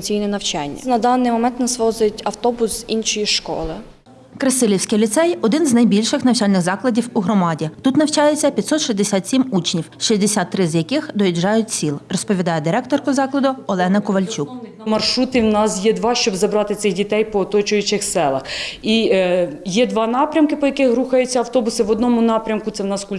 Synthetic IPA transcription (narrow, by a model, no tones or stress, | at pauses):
nʲt͡sʲijnɛnɐwt͡ʃa̰nʲːɐ̰nɐd̪ɑnːɪjmɔmɛnt̪nɐsʋɔzɪtʲɐwt̪ɔbʊsinʃɔjiʃkɔ̰lˠɪ | kɾesɪlʲiwsʲkɪjlʲit̪sɛjɔd̪ɪnznɐjbʲilʲʃɪxnɐwt͡ʃɑlʲnɪɣzɑklˠɐdʲiwuɦɾɔmɑdʲit̪ut̪nɐwt͡ʃɑjet͡sʲːɐpʲɐt̪sɔt̪ʃizʲd̪esʲɑt̪sʲimut͡ʃnʲiwʃizʲd̪esʲɑt̪ːɾɪzjɐkɪxd̪ɔjid͡ʒːɑjʊt̚ʲsʲilˠrɔspɔʋʲid̪ɑjɛd̪ɪɾɛk̚t̪ɔrkʊzɑklˠɐd̪ʊɔlˠɛnɐkɔʋɐlʲt͡ʃʲuk | mɐrʃɾut̪ɪwnɑsjɛd̪ʋɑʃt͡ʃɔbzɐbɾɑt̪ɪt̪sɪxdʲit̪ɛjpɔːt̪ɔt͡ʃʊjʊt͡ʃɪxsɛlˠɐxi | jɛd̪ʋɑnɑpɾʲɐmkɪpɔjɐkɪxɦɾuxɐjʊt͡sʲːɐɐwt̪ɔbʊsɪʋɔd̪nɔmʊnɑpɾʲɐmkʊt̪sɛwnɑskʊlʲ